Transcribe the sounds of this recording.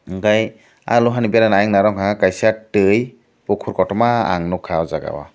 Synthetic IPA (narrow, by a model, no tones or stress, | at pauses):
ɡaj | a̰luɦanibaɾanajaŋnaɾɔŋɦaakajsatɯj | pukʰuɾkɔtɔmaa̰ŋnukʰawzaɡa̰wa̰